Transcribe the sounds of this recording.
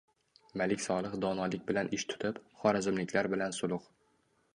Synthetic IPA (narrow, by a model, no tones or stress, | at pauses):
malɪkʲsɒlˠɨχd̪ɒnɒlɪk̚ʲbɪlanʔɪʃt̪ʰʊ̥t̪ʰɪpχɒɾazɪmlɪkʲʰlaɾbɪlansʊlˠʊq